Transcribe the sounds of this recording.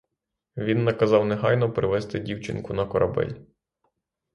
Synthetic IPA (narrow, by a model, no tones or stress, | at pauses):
ʋʲinːɐkɐzɑwneɦɑjnɔpɾɪʋɛst̪ɪdʲiwt͡ʃɪ̰nkʊnɐkɔɾʔɐbɛ̰lʲ